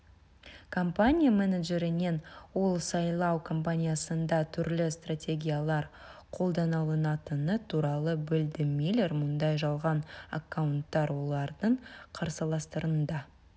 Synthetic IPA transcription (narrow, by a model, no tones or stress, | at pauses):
kʰo̞mpanʲijamenaʒe̞ɾɪne̞nwo̞lˠsɑjlˠɑwkʰo̞mpanʲijasənd̪ɑt̪ʰʏɾlɪst̪ratʲe̞ɡʲijalˠɑɾ | qʰo̞lˠd̪ɑnɑlˠənɑt̪ənət̪ʰuɾɑlˠəbɪld̪ɪmejleɾmʊnd̪ɑjʒɑlˠʁɑna̰kːawnt̪ːɑɾwo̞lˠɑɾd̪əɴqʰɑɾsɑlˠɑst̪əɾənd̪ɑ